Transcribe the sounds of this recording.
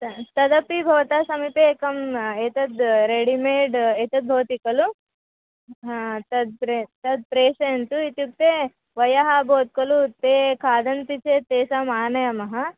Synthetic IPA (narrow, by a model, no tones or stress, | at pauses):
t̪ɐt̪ɐd̪ɐpibʱɐʋɐt̪aːsɐmipeːkɐmeːt̪ɐd̪ɾeɽimeːɖeːt̪ɐd̪̚bʱoːt̪ikɐlu | ɦt̪ɐd̪̚pɾet̪ɐd̪̚pɾeːsɐjɐnt̪uit̪juk̚t̪e | ʋɐjɐɦɐbʱoːt̪̚kɐlut̪eːkʰaːd̪ɐnp̪it͡ʃeːt̪eːsamaːnɐjɐmɐɦɐ